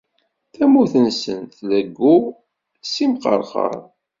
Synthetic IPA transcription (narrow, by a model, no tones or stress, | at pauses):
θæmuθənsə̰nθləɡːu | simqə̰ɾˤχə̰ɾˤ